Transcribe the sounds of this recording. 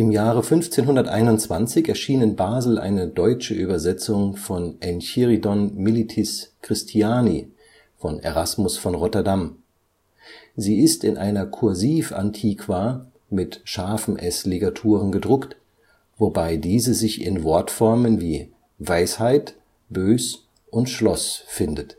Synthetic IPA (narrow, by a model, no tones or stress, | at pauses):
ʔɪmjaːʁəfʏnft͡seːnɦʊndɐtʔa̰ɪnʊnt͡sv̥ant͡sɪçɛɐʃiːnɪnbaːzl̩ʔa̰ɪnədɔʏt͡ʃəʔyːbɐzɛt͡sʊŋfɔnʔɛnçiʁidɔnmɪlitʰɪskʁ̥ɪstʰiaːnḭ | fɔnḛʁasmʊsfɔnʁɔtɐdam | ziːɪstɪnʔa̰ɪnɐkʰʊɐziːfʔa̰ntʰiːkʰv̥a | mɪtʃaɐfn̩ʔɛsliɡatʰuːʁ̞ənɡədʁʊkt | vobaɪdiːzəzɪçɪ̰nvɔɐtfɔɐmənviː | vaɪshaɪt | b̥øːs | ʔʊntʃlɔsfɪndət